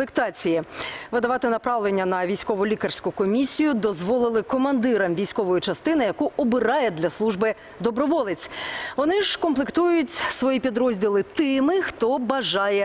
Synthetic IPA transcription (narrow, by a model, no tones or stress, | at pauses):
lˠɪkt̪ɑt͡sʲijiʋɪd̪ɐʋɑt̪ɪnɐpɾɑʋlenʲːɐnɐʋʲijsʲkɔʋʊlʲikɐrsʲkʊkɔmʲisʲijʊd̪ɔzʋɔlˠɪlˠɪkɔmɐnd̪ɪɾɐmʋʲijsʲkɔʋɔjʊt͡ʃɐst̪ɪnɪjɐkuɔbɪɾɑjɛd̪lʲɐslˠuʒbɪ | d̪ɔbɾɔʋɔlˠɪt͡sʲʋɔnɪʒ̥kɔmplˠɪkt̪ujʊtʲsʋɔjipʲid̪ɾɔzʲdʲilˠɪt̪ɪmɪxt̪ɔbɐʒɑjɛ